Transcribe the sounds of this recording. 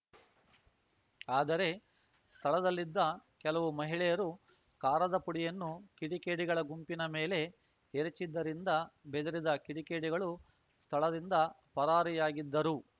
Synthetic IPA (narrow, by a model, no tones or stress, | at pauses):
aːd̪ɐɾe̞ | st̪ʰɐɭɐd̪ɐlːid̪ːɐkɛlɐʋumɐɦiɭɛjɐɾu | kaːɾɐd̪ɐpuɽijɐnːukiɽikeːɖiɡɐɭɐɡumpinɐmeːle̞ | eɾet͡ʃid̪ːɐɾind̪ɐbed̪ɐɾid̪ɐkiɽikeːɽiɡɐɭu | st̪ʰɐɭɐd̪ind̪ɐ | pɐɾaːɾijaːɡid̪ːɐɾu